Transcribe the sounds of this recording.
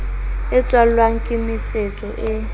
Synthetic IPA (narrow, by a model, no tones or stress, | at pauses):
ɪt͡sʼwalwaŋ̩kʼɪmɪt͡sʼet͡sʼɔʔɪ